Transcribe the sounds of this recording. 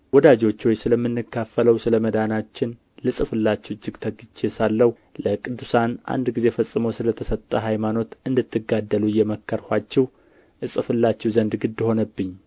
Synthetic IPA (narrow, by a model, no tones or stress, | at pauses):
wɔd̪ad͡ʒo̞t͡ʃːwojsɨləmːɨnːɨkʰːafːələwsɨləməd̪anat͡ʃːɪn | lɨsʼɨfɨlːat͡ʃːɛwd͡ʒːɪɡt̪ʰəɡɨt͡ʃːesalːəwu | ləkʼɨd̪ːusanʔa̰nd̪ɡize̞fəsʼːɨməwsɨlət̪ʰəsət̪ʼːəɦajmano̞t̪ɨnd̪ɨt̪ʰːɨɡad̪ːəlujɛməkʰːəɾhʷat͡ʃːɛw | ʔɨsʼɨfɨlːat͡ʃːɛwzənd̪ɡɨd̪ːho̞nəbːɨɲː